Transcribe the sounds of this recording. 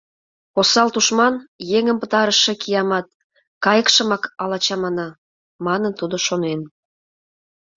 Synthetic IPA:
posɑlt̪uʃmɑnjeŋə̆mpə̆t̪ɑɾəʃĕkijɑmɑt̪̚ | kɑjəkʃə̆mɑkɑlɑt͡ɕɑmɑnɑ | mɑnənt̪ud̪oʃonen

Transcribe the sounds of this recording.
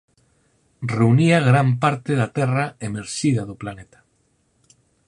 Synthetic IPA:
reuniaɣɾampaɾt̪eðat̪ɛraemeɾʃiðaðoplanet̪ḁ

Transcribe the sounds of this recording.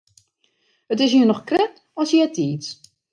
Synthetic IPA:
ətɪs̬jinɔxkrɛt | ɔsjɛtʰiːt

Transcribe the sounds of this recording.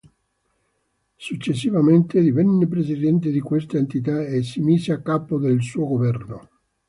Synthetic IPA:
sut͡ʃːesːivament̪ed̪ivɛnːep̬ɾesid̪ɛnt̪̬ed̪ikwest̪aent̪it̪aesːimiːzeakːaːpod̪elsuːoɡovɛrno

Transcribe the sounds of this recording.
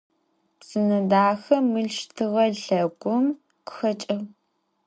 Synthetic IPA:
psɨnɐdaːxɐmɨɮʃtʰɨʁɐɮɐɡʷʼʊm | qə̥xɐt͡ʃʼɐʁ

